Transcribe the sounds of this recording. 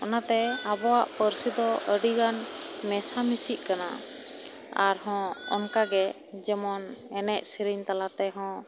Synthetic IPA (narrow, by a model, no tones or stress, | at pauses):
ɔnat̪ɛabɔwaʔpəɾsid̪ɔəɖiɡanmɛsamisiʔ̚kana̰ | aɾɦɔ̃ɔ̰nkaɡɛ | d͡ʒɛmɔnɛnɛʔ̚siɾiɲt̪alat̪ɛɦɔ̃